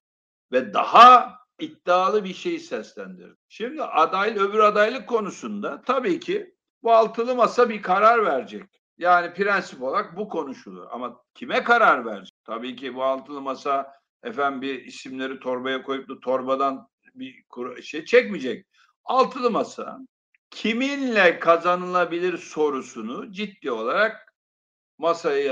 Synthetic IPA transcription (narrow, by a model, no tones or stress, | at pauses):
vɛd̪a̰ha | it̪ːaːlˠɯbiʃe̞jisɛslʲænd̪ḭɾd̪ɪʃimd̪iʔad̪ajlʲø̞byɾad̪ajlˠɯkʰːo̞nusund̪at̪ʰabiːcʰi | bualˠt̪ʰɯlˠɯmasabikʰaɾaɾvæɾd͡ʒɛc | jaːnipiɾænsipo̞lˠaɾak̚bukʰo̞nuʃulˠṵɾa̰macʰimɛkaɾaɾvæɾd͡ʒit̪ʰabiːcʰibualˠt̪ʰɯlˠɯmasa | ɛfænbiɾisimlʲe̞ɾit̪ʰo̞ɾbajakʰo̞jup̚d̪ˠat̪ʰo̞ɾbad̪an | bikʰuɾʃejt͡ʃʰɛcmid͡ʒɛc̚ | alˠt̪ʰɯlˠɯmasa̰ | cʰiminlʲɛkʰazanɯlˠabilʲiɾso̞ɾusunʊd͡ʒit̪ːiːo̞lˠaɾak̚ | masaja